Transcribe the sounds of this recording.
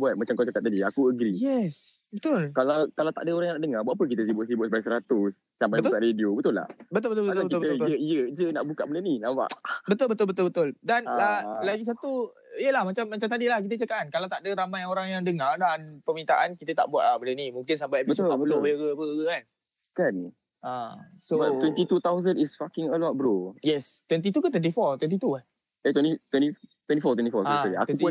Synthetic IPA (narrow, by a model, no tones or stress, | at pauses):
buat̪̚mat͡ʃamkat͡ʃakat̪̚ːadiakuəɡɾijɛsbət̪ʊlkalawkalawt̪a̰ʔdəoɾaŋjaŋnaʔdəŋarbuaʔapək̬it̪əs̬ibʊtʔsibʊt̪səpadasəɾat̪ʊs | sampajbkaʔɾediobət̪ʊla̰hbət̪ʊlbət̪b̪aətkibt̪əəijəd͡ʒənaʔbukaʔbəndəninaʔva̰ʔbət̪ʊlbət̪ʊlbət̪ʊlbət̪ʊldanalaɡis̬at̪u | ijəlahmat͡ʃamːat͡ʃamt̪adilahkit̪ət͡ʃakaʔankalawt̪aʔdəɾamajoɾaŋjaŋdəŋardanpəmint̪aʔankit̪ət̪a̰ʔbuwa̰t̪̚lahbəndənimũŋk̬ɪns̬ambajbibəsabəlobəəɡəbəɡəkan | kan | ʔasobawɛnt̪it̪ut̪awzənisfakɪŋəlɔt̚bəɾojɛst̪wɛnt̪̬it̪ukat̪wɛnt̪ifɔt̪wɛ̃nt̪̬it̪ua | ait̪wɛnit̪wɛnit̪wɛ̃ntifɔt̪wɛnt̪ifɔtɛt̪ia̰k̪wɛuʊn